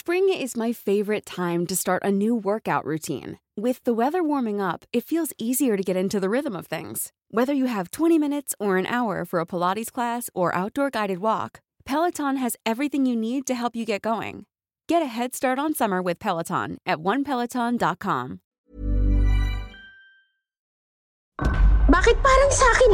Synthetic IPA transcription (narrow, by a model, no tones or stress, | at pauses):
spɹɪ̃ŋɪzmaɪfeɪvə˞ɨtʰãɪ̃mtɨstɑɹɾʔɨnʉwɜ˞kaʊʔɹʔʉtʰḭ̃n | wɪðəwɛðə˞wɔɹmɪ̃ŋʌpɨtfilˠziziə˞ɾɨɡɛɾɪ̃ntʉðɨɹɪðə̃mʌv̥θɪ̰̃ŋz̥ | wɛðə˞jɨɨv̥tʰw̥ɛ̃ɾ̃imɪ̃ñɨtsə˞ɨ̃nʔa̰ʊə̰˞fə˞əpʰəlɑɾiz̥kʰl̥æsə˞ʔa̰ʊt̚d̥ɔɹɡaɪɾɨd̚wɔ̰k | pʰɛlˠətʰɑ̃nɨzɛvɹiθɪ̃ŋjɨnid̚tɨɦɛlˠpjɨɡɛt̚ɡ̥oʊɪ̰̃ŋ | ɡ̥ɛɾɨɦɛd̥stɑɹɾn̩sʌmə˞wɨð̥pʰɛlˠətʰɑ̰̃nʔɨt̚wʌ̃npʰɛlˠətʰɑ̃ndɑt̚kʰɑ̰̃m | baːkɪt̪̚paːɾaŋsaːkɪn